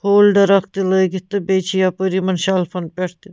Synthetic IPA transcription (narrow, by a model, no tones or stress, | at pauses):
hoːlɖɐɾɐkt̪ilɐɡit̪ːɨbet͡ʃʰijapəɾimɐnʃalfʰɐnpʲɐʈt̪i